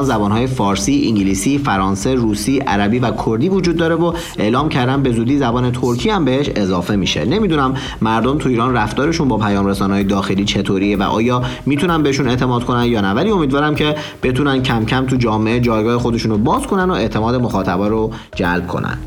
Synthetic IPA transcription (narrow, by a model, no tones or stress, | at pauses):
nzæbɒːnɦɒːje̞fɒːɾsiːiŋɟiliːsiːfæɾɒːnse̞ruːsiːʔæ̰ɾæbiːvækʰoɾd̪iːvod͡ʒuːd̪̚ːɒːɾe̞vo | e̞ʔlɒːmcʰæɾd̪æn̚be̞zuːd̪iːzæbɒːnet̪ʰoɾcʰiːæmbeheʃe̞zɒːfe̞miːʃe̞̰ne̞miːd̪unæmː | æɾd̪omt̪ʰuiːɾɒːnræft̪ɒːɾe̞ʃunbɒːpʰæjɒːmɾesɒːnehɒːjed̪ɒːxe̞liːt͡ʃʰe̞t̪ʰoɾievæ̰ʔɒ̰ːjɒːmiːt̪ʰunænbe̞heʃuːne̞ʔt̪ʰe̞mɒːd̪̥̚kʰo̞nænd̪jɒːnævæliːo̞mid̪vɒːɾæmcʰe̞ | b̥e̞t̪ʰunænd̪̚cʰæmcʰæmt̪ʰud͡ʒɒːmeed͡ʒɒːjɡɒːhexo̞d̪e̞ʃuːnobɒːzkʰo̞nænd̪oe̞ʔt̪ʰe̞mɒːd̪e̞mo̞xɒːt̪ʰæbɒːɾo | d͡ʒælb̥̚kʰo̞̰næ̰n̥